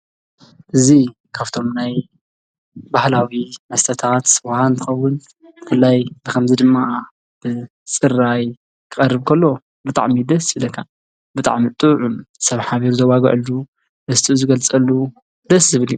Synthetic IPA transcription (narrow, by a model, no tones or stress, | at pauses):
ʔɨzi | kʰaβt̪ʰo̞mnaj | bahlawimɐst̪ʰɐt̪ʰat̪wahant̪ʰɨxɐwːʊn | bɨfɨlːajbɨkʰɐmzid̪ɨmːa | b̥ɨ | sʼɨraj | kʰɨxʼɐrːɨβkʰɐlːo̞ | bɨt̪ʼa̰ʕmid̪ɐsilɐkʰːa | bɨt̪ʼa̰ʕmit̪ʼɨʕumsɐβħaβiɾuzɐwaɡɐ̰ʔɨlu | ʔɨst̪ʰɨzɨɡɐlt͡sʼɐlːu | d̪ɐszɨβɨlju